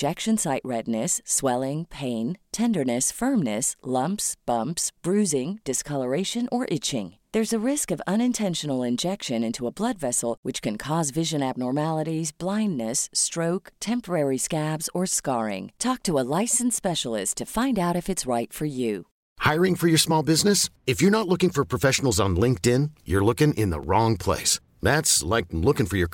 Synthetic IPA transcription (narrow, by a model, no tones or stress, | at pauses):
d͡ʒɛkʃɨ̃nsaɪʔɹɛdⁿnɨsːwɛlˠɪ̃ŋpʰẽɪ̃ntʰɛ̃ndə˞nɨsfɜ̃˞mnɨslʌ̃mpsb̥ʌ̃mpsb̥ɹʉzɪ̃ŋd̥ɨskʰʌlˠə˞eɪʃɨ̃nʔə˞ʔɪt͡ʃɪ̰̃ŋðə˞zɨɹɪskʌvʌ̃ñɨ̃ntʰɛ̃nʃnl̩ˠɪ̃nd͡ʒɛkʃɨ̃nɪ̃ntʰuəblʌdvɛsl̩ˠwɨt͡ʃkɨ̃nkʰɔzvɪʒɨ̃næb̚nɔɹmælˠəɾizblãɪ̃nːɨstɹ̥oʊktʰɛ̃mpə˞ɛɹiskæbz̥ə˞skɑɹɪ̰̃ŋtʰɔk̚tʰəəlaɪsn̩tspɛʃl̩ˠɪ̰stʰɨfãɪ̃ndaʊɾɨfɨtsɹaɪtfə˞jʉ | haɪɹɪ̃ŋfə˞jə˞smɔlˠbɪznɨsɨfjə˞nətˡlʊkɪ̃ŋfə˞pʰɹ̥əfɛʃn̩l̩ˠzn̩lɪ̃ŋk̚tɪ̃njə̰˞lʊkɪ̃ŋʔɪ̰̃nðə̰ɹɔ̃ŋpʰl̥ḛɪs | ðætslaɪk̚lʊkɪ̃ŋfə˞jə˞